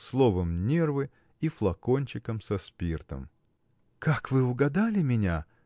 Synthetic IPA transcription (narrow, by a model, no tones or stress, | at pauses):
slˠovəmnʲervɨ | iflˠɐkonʲt͡ɕɪkəmsɐspʲirt̪ə̰m | kakvɨʊɡɐd̪alʲɪmʲɪnʲa